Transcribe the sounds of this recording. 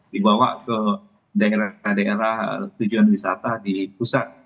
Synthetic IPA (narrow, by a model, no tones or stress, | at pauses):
dibawa̰ʔkə | daeɾahdaeɾaht̪ud͡ʒuanwisat̪adipusat̪̚